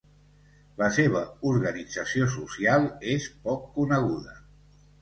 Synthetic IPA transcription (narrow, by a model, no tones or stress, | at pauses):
ləseβ̞əuɾɣənid͡zəsiosusijalˠespɔkːunəɣ̞uðə